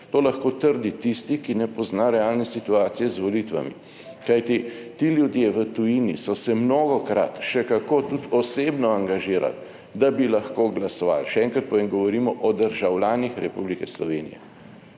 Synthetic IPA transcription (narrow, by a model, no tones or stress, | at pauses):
t̪oːlaxkoːt̪əɾd̪it̪ist̪ikinɛpɔznaɾɛaːlnɛsit̪uaːt̪sijɛzʋɔlit̪ʋa̰mḭ | kajt̪it̪iːljud̪jeʋət̪ujinisɔsɛmnoːɡɔkɾa̰t̪ʃɛkakoːt̪ut̪ɔseːbnɔaŋɡaʒiːɾa̰l | d̪abilaxkoːɡlasɔʋa̰ːlʃɛɛːŋkɾat̪̚pajimɡɔʋɔɾiːmɔʔɔd̪əɾʒawlʲjaːnixɾɛpublikɛslɔʋeːnḭjɛ̰